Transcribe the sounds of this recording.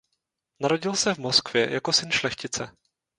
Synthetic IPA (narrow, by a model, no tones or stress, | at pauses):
naɾo̞ɟɪlsɛvmoskv̥jɛ̰jako̞sɪnʃlɛxcɪt͡sɛ